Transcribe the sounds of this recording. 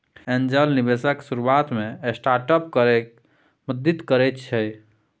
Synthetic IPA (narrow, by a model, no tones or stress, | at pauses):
end͡ʒəlnibesəksuɾuat̪meesʈaɾʈəp̚kəɾɛ | məd̪it̪kəɾɛt̪t͡ʃʰɛ